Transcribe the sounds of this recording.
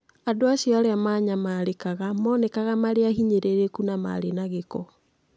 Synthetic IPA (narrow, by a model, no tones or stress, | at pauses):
adoaɕjɔaɾeamaːɲamaːɾekaɣamɔːnɛkaɣamaɾeahiɲeɾeɾekunama̰ɾenaɣekɔ